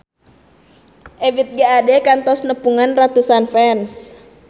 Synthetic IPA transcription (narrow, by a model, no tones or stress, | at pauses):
ʔevit̪̚ɡaːdɛkant̪ɔsnəpuŋanrat̪usanfɛns